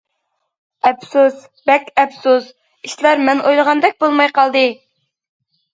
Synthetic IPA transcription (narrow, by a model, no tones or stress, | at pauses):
ɛpsus | bɛkʲɛpsuz | iʃlæɾmɛnʔojlˠəʁɑnd̪ɛk̚ʲbolˠmɑjqɑlˠd̪ɨ